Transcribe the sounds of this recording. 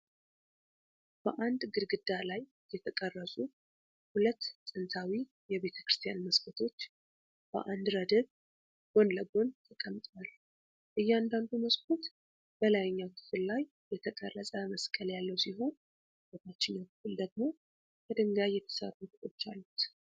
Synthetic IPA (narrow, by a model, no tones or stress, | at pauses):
b̥əʔand̪ɡɨɾɡɨd̪ːalaj | jɛt̪ʰəkʼərːəsʼu | hulət̪ːsʼɨnt̪ʰawi | jɛβe̞t̪ʰə̥kɾɨst̪ʰjanməskʰət̪ʰo̞t͡ʃː | b̥ə̰ʔand̪ɾəd̪əβ | ɡ̥o̞nləɡo̞nt̪ʰəkʼəmt̪ʼwal | ʔɨjːand̪and̪uməskʰut̪ | b̥əlajɲːakʰɨ̥fɨllaj | jɛt̪ʰəkʼərːəsʼəməskʼːəljalːəwsiɦo̞n | bot̪ʰat͡ʃːɪnːawkɨfɨld̪əɡ̚mo̞ | kʰəd̪ɨŋɡajɛt̪ʰə̥sə̰rːutɨt̪ʼo̞t͡ʃːa̰lːut̪